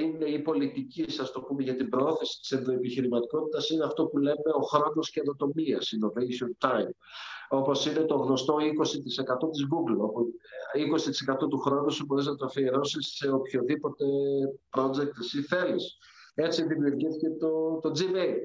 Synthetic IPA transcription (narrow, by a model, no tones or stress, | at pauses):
ine̞ipo̞lit̪icisɐst̪o̞pume̞ʝɐt̪imbɾooθesi̥t̪i̥senðo̞epiçiɾimɐt̪iko̞t̪it̪ɐsineɐft̪o̞pule̞me̞o̞xɾo̞no̞scenðot̪o̞miɐ̰sino̞vejsont̪ajm | o̞po̞sine̞t̪o̞ɣno̞st̪oiko̞sit̪ise̞kɐt̪o̞t̪izɡuɡlopuiko̞si̥t̪i̥se̞kɐt̪o̞t̪uxɾo̞nusuboɾeznɐt̪ofieɾo̞sise̞opço̞ðipo̞t̪e̞pɾo̞d͡zek̚t̪esiθe̞lis | e̞t͡siðimiuɾʝiθice̞t̪ot̪o̞d͡zimejl